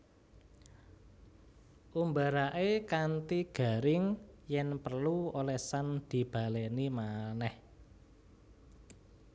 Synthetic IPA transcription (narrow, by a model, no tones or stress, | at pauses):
ʔumbaɾaʔekant̪iɡ̥a̤ɾɪŋjɛnpərluolɛhsand̪̥i̤b̥ä̤lɛnimanɛh